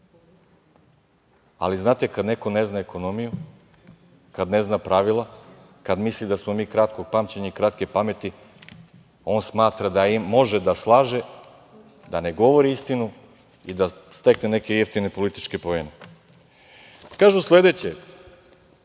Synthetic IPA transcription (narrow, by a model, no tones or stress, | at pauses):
a̰liznaːt̪ekad̪ne̞ko̞ne̞znaeko̞nomiju | kad̪ne̞znapɾaʋilˠa | kad̪mislid̪asmo̞miːkɾat̪ko̞ɡ̚pamt͡ɕeɲaikɾat̪kepame̞t̪i | o̞ːnsmaːt̪ɾad̪aiːo̞ʒed̪aslˠaːʒe | d̪ane̞ɡo̞ʋo̞ɾiist̪inu | id̪a | st̪e̞kne̞ne̞ke̞jeft̪ine̞po̞lit̪i̥t͡ʃke̞poene | kaːʒuslˠe̞d̪et͡ɕe